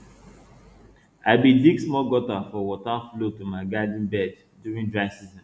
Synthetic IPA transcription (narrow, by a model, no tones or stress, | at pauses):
aɪbidiɡsmɔlɡɔtafɔwɔtaflotumaɪɡadĩnbɛd | djuɹĩŋdɹãɪ̃nsizɔ̃n